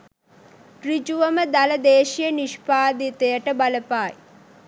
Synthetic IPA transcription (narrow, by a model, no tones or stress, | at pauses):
ʈrid͡ʒuʋəməd̪aləd̪eːʃijəniʃpaːd̪it̪ejəʈəbaləpaːj